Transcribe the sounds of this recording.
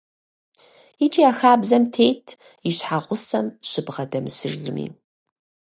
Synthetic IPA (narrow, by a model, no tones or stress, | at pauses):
it͡ʃʼiaːxaːbzɐmtʰeːjtʰ | iɕħaʁʷʊsɐmɕɨbʁɐdɐmɨsɨʐɮɨmḭː